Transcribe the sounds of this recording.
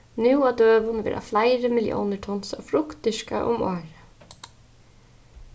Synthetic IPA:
nɪwad̪øːʋʊnʋɛ̰ːɾʔa̰flaɪɾəmɪljʔɔ̰ːnəʈʰɔnsa̰fɾʊkt̪ɪʃka̰ʔʊ̰moːɾə

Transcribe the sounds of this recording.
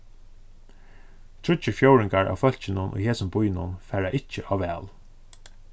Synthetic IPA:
t̪ʰɾʊt͡ɕəfjowɹɪŋkaɹʔa̰ːwfœl̥t͡ʃɪnʊnʔʊ̰jɦeːsəmbʊjnʊ̰nfɛːɹaʔɪht͡ʃːəʔaːʋɛːl

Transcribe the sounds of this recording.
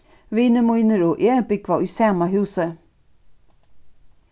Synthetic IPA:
viːnəmujnəɾɔʔeːbɪkʋaisæːmaɦʉːsə

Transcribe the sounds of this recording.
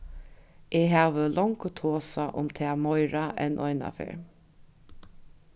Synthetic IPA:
ʔeːɦaːʋəlɔŋkət̪ʰoːsaʔʊ̰mt̪ʰeamɔɪɹaʔɛnʔɔɪna̰fḛːɹ

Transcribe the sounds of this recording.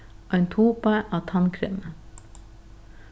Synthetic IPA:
oːɛnt̪ʰuːpəʔɑːt̪ʰɑnkʰɾʏ̰mə

